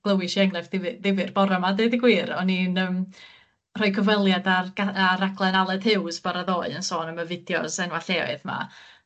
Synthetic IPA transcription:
ɡ̥lˠəwɪʃiaŋlɛvdɪðɪvɨrb̥ɔɾamadejdɪɡwiːɾɔninəːm | r̥ɔɨkʰəvɛlˠjadarɡaɾaɡlˠɛnalˠɛd̥hɪwzbaɾaðoːɨənsoːnəməvɪdjɔ̰sɛnwaɬɛɔ̰ɨðma̰

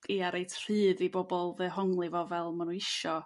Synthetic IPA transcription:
iaɾejtʰr̥ɨːðibɔbɔlˠvɨːɦɔŋlˠɪvɔvɛlˠmanunɪʃɔ

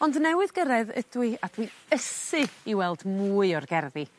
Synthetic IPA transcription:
ɔndnɛwɨðɡəɾɛðə̰dwɨad̥winəsɨiwɛlˠdmuːɨɔrɡɛrði

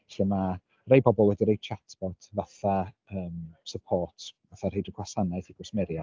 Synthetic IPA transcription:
ɬəma | rejbɔbɔlˠwɛdiɾejt͡ʃʰatʰb̥ɔtʰvaθa | əːmsəpʰɔːrtʰvaθarejdəɡwasanaθiɡʊsmɛɾja

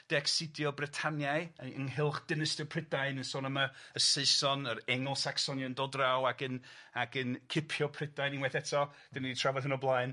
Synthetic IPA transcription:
d̥ɛksɪdjɔbrɪtʰanjajə̰nɦɪlˠχd̥ɪnəstəpʰrɪdaɨnənsoːnəmaəseɨsɔnəɾɛŋɔlˠsaksɔnjɔndɔdrawaɡənaɡənkʰɪpʰjɔpʰrɪdajninwɛθɛtʰɔ | d̥ɛniditʰravɔðhənɔblˠaɨn

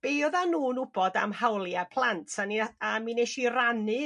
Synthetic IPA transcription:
b̥eɔðanuːnʊbɔda̰mhawlˠjapʰl̥ˠantʰaniamineʃiranɨ

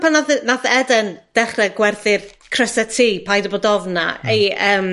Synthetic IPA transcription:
pʰanaðnaðɛdənd̥ɛχrɛɡwɛrθɪrkʰr̥əsɛtʰiːpʰajdɔboːdɔvna̰ejəːm

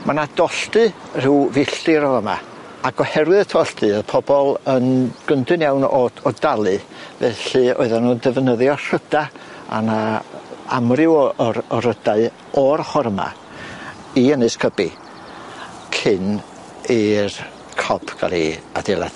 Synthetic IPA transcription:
manadɔɬtɨr̥ɪwvɪɬɨɾɔvəma̰ | aɡɔhɛɾwɨðətʰɔɬtɨəpʰɔbɔlˠənɡ̥əndɨnjawnɔɔdalˠɨvɛɬɨɔ̰ɨðanuːndəvnəðjɔr̥ədaa̰na | a̰mrɪwɾɔɾədaɨ | ɔrhɔɾəma̰ | iənɨskʰəbi | kʰɪn | ir | kʰɔb̥ʰɡ̥a̰lḭa̰dɛlˠa̰d̥

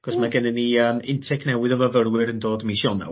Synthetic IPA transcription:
ɡ̥ɔsmaɡɛnɛnːiəmɪntʰɛknɛwɪðɔvəvəɾwɪɾəndoːdmisjɔna̰w

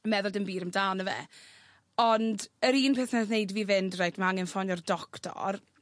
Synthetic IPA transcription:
əmɛðʊlˠdəmbiːɾəmdaːnəvɛ̰ | ɔndəɾiːnpʰɛθnɛθnejdviːvɪndrajtʰmaaŋɛnfɔnɔrdɔktʰɔ̰r

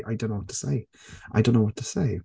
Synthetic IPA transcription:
ʔa̰ɪdõʊ̃nːoʊwɔtʰə̥sḛɪ | ʔa̰ɪdõʊ̃nːoʊwɔtʰəseɪ

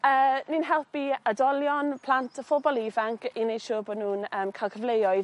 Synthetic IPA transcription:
əːninɦɛlˠpiədɔljɔnpʰl̥antʰəfʊbɔlˠivaŋkinejd̥ʃuːbɔnuːnəːmkʰaɪlˠkʰəvlejɔɨð

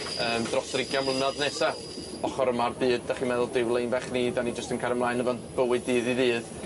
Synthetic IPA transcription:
əːmdrɔsrɪɡjamlˠənadnɛsa | ɔχɔɾəmarbɨːd̚daχimɛðʊlˠdɪwlˠejnvɛχniːdanid͡ʒəstənkʰaɾəmlˠaːɨnəvantb̥əwɨdɨːðiðɨːð

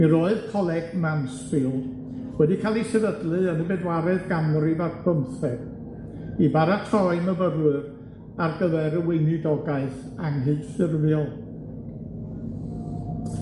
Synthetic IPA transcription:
miɾoːɨð̥kʰɔlˠɛɡmansfilˠd̥ | wɛdikʰaːlˠisɛɾədlˠɨənɨbɛdwaɾɛðɡamribarb̥ʰəmθɛɡ̥ | ibaɾatʰrɔɨməvəɾwɨr | arɡəðɛɾəwejnɨdɔɡaɨθ | aŋɦɨθsɪrvjɔlˠ

